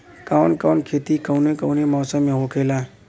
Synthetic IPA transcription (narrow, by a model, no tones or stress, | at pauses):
kaʊnkaːnkʰeːt̪ikəʊnekəʊnemɔːsəmːẽɦokʰeːlaː